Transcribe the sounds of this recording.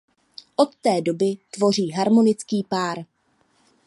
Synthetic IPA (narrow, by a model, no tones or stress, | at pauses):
ʔo̞t̪ːɛːdo̞bɪt̪vo̞r̝iːɦaɾmo̞nɪt͡skiːpaːɾ